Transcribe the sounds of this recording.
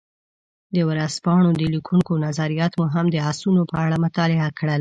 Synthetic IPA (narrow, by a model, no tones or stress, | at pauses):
d̪əwɾaspɑɳ̃od̪əlikʰuŋkonazaɾijɑt̪muɦamd̪əasunopəaɽamʊt̪ɑlɪakɽəl